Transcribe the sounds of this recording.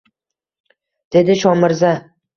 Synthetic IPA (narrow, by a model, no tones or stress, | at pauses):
d̪̥e̞d̪ɪʃɒmɪɾza